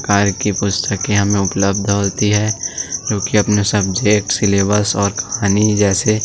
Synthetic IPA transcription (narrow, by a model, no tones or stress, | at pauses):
kaːɾkipʊst̪ʰəkẽɦɐmẽʊpləb̚d̪ʱɦoːt̪iɦɛd͡ʒoːkiɐpnesɐbd͡ʒeːk̚ʈsɪleːbəɾsɔːɾkɐ̥ɦaːnid͡ʒɛːse